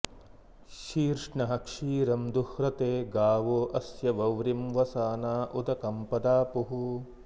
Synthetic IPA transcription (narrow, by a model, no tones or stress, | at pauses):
ʃiːɾʂɳɐɦɐkʂiːɾɐmd̪uhɾɐt̪eːɡaːʋoʔɐsjɐʋɐwɾimʋɐsaːnaːʔud̪ɐkɐmpɐd̪aːpuɦu